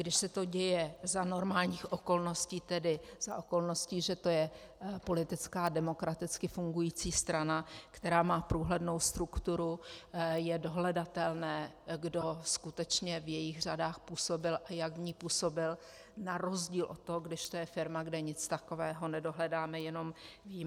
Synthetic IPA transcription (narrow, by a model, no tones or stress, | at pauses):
ɡdɪʃsɛt̪o̞ɟɛjɛzano̞ɾmaːlɲiːxʔo̞ko̞lno̞sciːt̪ɛdɪz̥a̰ʔo̞ko̞lno̞sciːʒɛt̪o̞jɛ | po̞lɪt̪ɪt͡skaːdɛmo̞kɾat̪ɪt͡skɪfuŋɡujiːt͡siːst̪ɾanakt̪ɛɾaːmaːpɾuːɦlɛdno̞wst̪ɾukt̪uɾujɛdo̞ɦlɛdat̪ɛlnɛː | ɡdo̞skut̪ɛt͡ʃɲɛvjɛjɪxr̝adaːxpuːso̞bɪlʔajaɡvɲiːpuːso̞bɪl | naɾo̞zɟiːlʔo̞̰t̪ːoɦoɡdɪʃt̪ojɛfɪɾmaɡdɛɲɪt͡st̪akovɛːɦo̞nɛdo̞ɦlɛdaːmɛjɛno̞mviːm